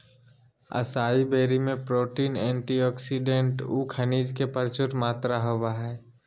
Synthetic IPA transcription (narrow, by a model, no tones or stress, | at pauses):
ə̰saːibeːɾimẽpɾoːʈiːnɛ̃ːɳʈiɔːksiɖẽɳʈuːkʰəniːd͡ʒkepəɾt͡ʃʊɾmaːt̪ɾaɦoʋaɦɛː